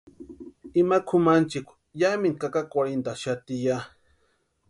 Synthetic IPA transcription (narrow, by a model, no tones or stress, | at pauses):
imakʰʊmant͡ʃɪkʷ | jamiŋkakakʷaɾent̪aʃat̪ija